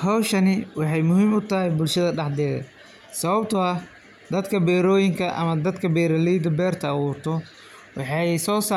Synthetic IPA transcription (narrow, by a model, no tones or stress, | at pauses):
hɐwʃɐnɪwɑħɑjmʊɦiːmʊt̪ʰɐɦɛjbʊlʃɐðɐɖɑħd̪ɛːðɐ̰ | sɐβɐbt̪ʰʊɐ | d̪ɐd̪kʰɐbɛːɾɔːjɪŋkʰɐʔɐ̰mɐd̪ɐd̪kʰɐbɛːɾɐlɛjd̪ɐbɛːrt̪ʰɐːwuːrt̪ʰɔ | wɑħɑjsɔːsaː